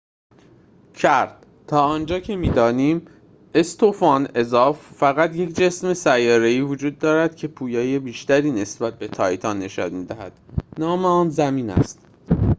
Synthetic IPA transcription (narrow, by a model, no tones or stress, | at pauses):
cʰæɾd̪̥ | t̪ʰɒːɒːnd͡ʒɒːcʰe̞miːd̪ɒːniːm | e̞st̪ʰofɒːne̞zɒːfːæɣæt̪je̞cʰd͡ʒe̞sme̞sæjːɒːɾe̞iːvod͡ʒuːd̪ːɒːɾæd̪̥cʰe̞pʰuːjɒːje̞biːʃt̪æɾiːne̞sbæt̪̚be̞t̪ʰɒ̰ːjt̪ʰɒːnːe̞ʃɒ̰nmiːd̪æhæ̰d̪̥nɒːmeɒːnzæmiːnæ̰st̪